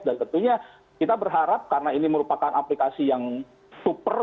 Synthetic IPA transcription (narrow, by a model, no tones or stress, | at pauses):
dant̪ənt̪uɲa | kit̪abərɦaɾap̚karənainiməɾupakanaplikasijaŋ | supər